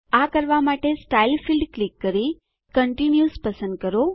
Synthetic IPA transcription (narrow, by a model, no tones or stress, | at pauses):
akəɾʋamaʈesʈailfilɖklikːəɾi | kəɳʈinjuspəsə̃nd̪̚kəɾo